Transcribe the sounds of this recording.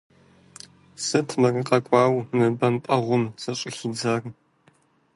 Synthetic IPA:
sɨtʰmɐrɨqʼɐkʷʼɑːwmɨbɐmpʼɐʁʷʊmzɐɕʼɪxid͡zaːr

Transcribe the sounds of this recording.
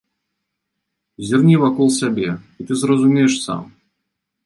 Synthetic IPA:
zʲɪrnʲivɐkolˠsʲabʲeit̪ɨzrəzʊmʲejɪʂsa̰m

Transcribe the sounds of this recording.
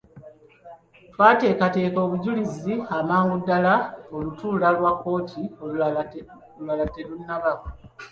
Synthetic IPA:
twaːte̞ːkate̞ːko̞ːβuɟuliziamaːŋɡudːalao̞lutuːlalwakːo̞ːtʰio | olwalate̞lunːaβaka

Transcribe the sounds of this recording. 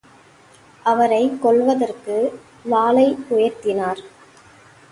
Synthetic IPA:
ʔɐʋɐɾɐɪkːɔɭʋɐðɐrkɯ | laːlɐɪʊjɐɾt̪ɪnaːɾ

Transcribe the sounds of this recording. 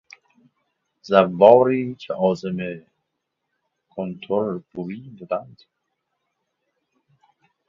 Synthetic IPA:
zævːɒːɾiːcʰeʔɒːzeme | kʰont̪ʰoɾb̥uɾiːbud̪ænd̪

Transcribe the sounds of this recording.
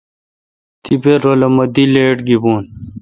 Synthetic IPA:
t̪ibeɾolɐmɐd̪ileːʈɡibuːn

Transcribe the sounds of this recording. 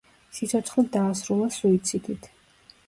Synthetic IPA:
sit̪sʰɔt̪sʰχlˠid̪aːsɾulˠasuit̪sʰid̪it̪ʰ

